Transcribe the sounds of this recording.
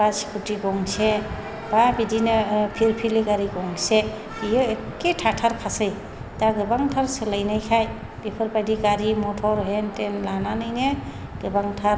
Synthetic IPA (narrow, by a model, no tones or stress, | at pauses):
basi̥kutiɡɔŋse | babidinɯpʰiɾpʰiliɡaɾiɡɔŋse | ijɔeketʰatʰaɾpʰasɯj | taɡɯbaŋtʰaɾselajnajkʰaj | bipʰɯɾpadiɡaɾimɔtʰɔɾɦentenlananɯjne | ɡ̥ɯbaŋtʰaɾ